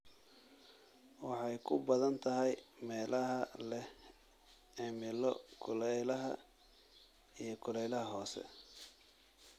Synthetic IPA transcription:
wɑħɑjkʰʊbɐðɐnt̪ʰɐɦɛjmɛːlɐɦɐlɛh | ɪmɪlɔkʰʊlɛlɐɦɐ̰ | ijɞkʰʊlɛjlɐɦɐɦɔːsɛ̰

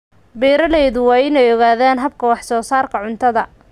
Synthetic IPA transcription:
bɛːɾɐlɛjðʊwɑːɪnɛjɔɣaːðaːnɦɐb̚kʰɐwɑħsɔːsaːrkʰɐʕʊnt̪ʰɐðɐ

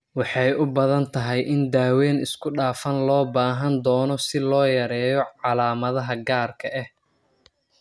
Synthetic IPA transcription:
wɑħɑjʊbɐðɐnt̪ʰɐɦɛjʔɪnd̪aːwɛːnɪskʰʊɖaːfɐnlɔːbaːɦɐnd̪ɔːnɔsɪlɔːjɐɾɛːjɔʕɑlaːmɐðɐɦɐɡaːrkʰɐʔɛh

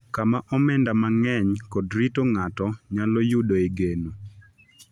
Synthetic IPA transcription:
kamaʔɔmɛndamaŋɛɲkɔdɾitoŋatɔɲalɔjʊdoeɡeno

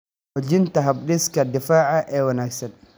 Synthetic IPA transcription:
wɔd͡ʒɪnt̪ɐɦɐbɗɪskʰɐd̪ɪfaːʕɐʔɛːwɐnaːɡsɐn

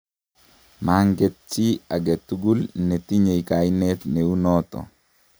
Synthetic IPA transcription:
maŋɡet̚t͡ʃiaɡet̪ːuɡulnetiɲejkainɛt̪neunɔt̪ɔ̰

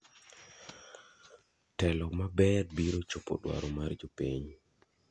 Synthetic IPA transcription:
tɛlɔmabɛtbiɾot͡ʃopo̰dwa̰ɾɔmard͡ʒopiɲ

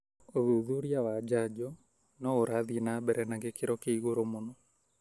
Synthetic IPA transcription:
oðuðuɾiawad͡ʒad͡ʒɔ | nɔoɾaðinabɛɾɛnaŋɡekeɾɔkeiɣoɾomonɔ

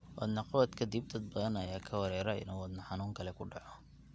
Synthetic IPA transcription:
wʔɐ̰d̪nɐqɑβɐd̪kʰɐd̪ib̚d̪ɐd̪̚bɐðɐnɐjaːkʰɐwɐɾɛːɾɐɪ̰nuːwɐd̪nɐħɑnuːŋkʰɐlɛkʰʊɖɑʕɔ

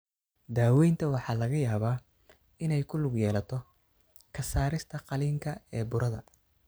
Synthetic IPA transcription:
d̪aːwɛjnt̪ʰɐwɑħɑːlɐɣɐjaːβaː | ɪnɛjkʰʊlʊɡjɛːlɐt̪ʰɔ | kʰɐsaːɾɪst̪ʰɐqɑliːŋkʰɐɛːbʊɾɐðɐ

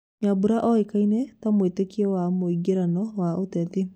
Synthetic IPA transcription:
ɲabuɾaʔɔekainɛtamwetekiɛwamoiɡeɾanɔwaotɛte

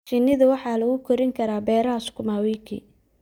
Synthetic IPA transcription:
t͡ʃɪnːɪðɐwɑħɑːlɐɣʊkʰɔɾɪŋkʰɐɾaːbɛːɾɐɦɐskʰʊmaːwiːkʰḭː

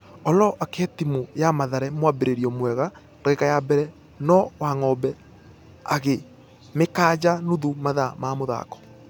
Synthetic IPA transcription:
ɔlɔʔakɛtimujamaðaɾɛmwabeɾeɾiɔmwɛɣa | ɾaekajabɛɾɛ | nɔwaŋɔbɛ | aɣe | mekaːd͡ʑanuðumaðamamoða̰kɔ̥

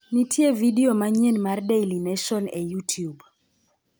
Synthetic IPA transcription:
nitʰjevidiomaɲenmardejlinɛʃɔnɛjutʰjub

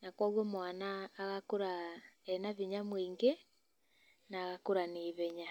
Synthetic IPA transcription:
nakwɔɣɔmwanaːɣakoɾaɛnaβiɲamwiːŋɡe | naːɣakoɾaneːβɛɲa

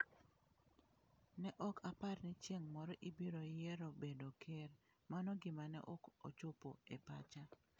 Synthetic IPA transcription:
nɛʔɔkaparnɪt͡ʃjeŋmɔɾɔʔibiɾojɛɾobedokʰɛr | manɔɡɪmanɛ̰ʔɔko̰t͡ʃopoepa̰t͡ʃa

